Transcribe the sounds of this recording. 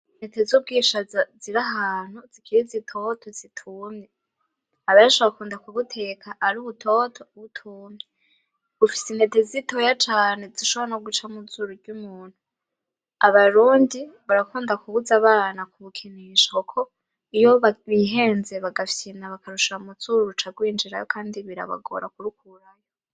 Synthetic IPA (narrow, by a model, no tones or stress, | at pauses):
netezub̚ɡiːʃaziɾaɦaːn̥huzikʰiɾizitʰo̞tʰo̞zitʰumɲe | aβajaʃoβoɾakuːndakuβutʰe̞kʰaʔːɾuβutʰo̞ːtʰoβutʰuːmɲe | β̥ufi̥sinetezitʰojat͡ʃaːne̞ziʃoβaanoɡut͡ʃamud͡zuɾuɾɟuːmuːn̥hu | aβaɾuːndiβaɾakuːndakuβuzaβaːnakuβukʰiniʃaukʰo̞ | ijoβaβiɦe̞ːnze̞βaɡafsinaβakaɾuʃaumuzuːɾuɾut͡ʃaɡwiːnd͡ʒiɾa̰jo̰kʰaːndiβiɾa̰βa̰ɡo̞̰ɾa̰kuɾukʰuɾajo